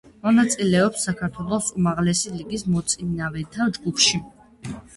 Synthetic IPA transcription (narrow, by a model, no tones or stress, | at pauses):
mɔnat̪sʼilɛɔpsːakʰaɾt̪ʰwɛlˠɔsumaʁlɛsiliɡismɔt̪sʼinavɛt̪ʰad͡ʒɡupʰʃi